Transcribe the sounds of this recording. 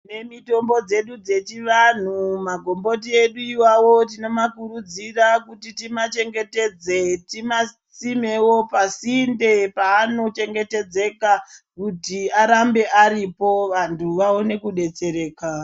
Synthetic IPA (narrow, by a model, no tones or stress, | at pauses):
ne̞mito̞mbo̞d͡ze̞ɗud͡ze̞t͡ʃiʋan̤umaɡʱo̞mbo̞t̬ie̞ɗuiwawot̬ino̞makuɾud͡zirakutitimat͡ʃe̞ŋɡe̞te̞d͡ze̞tima | t͡sime̞wo̞pasinde̞paːno̞t͡ʃe̞ŋɡe̞te̞d͡ze̞kakutiaɾambe̞ʔaɾipo̞ʋantʰuʋaone̞kuɗe̞t͡se̞ɾe̞ːka